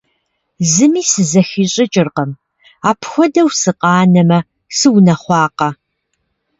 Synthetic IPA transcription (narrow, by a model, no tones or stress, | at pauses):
zɨmiːsɨzɐxiːɕʼɪt͡ʃʼɪrqɐm | aːpʰxʷɔdɐwsɨqʼɑːnɐmɐ | sɨwnɐχʷɑːqɐ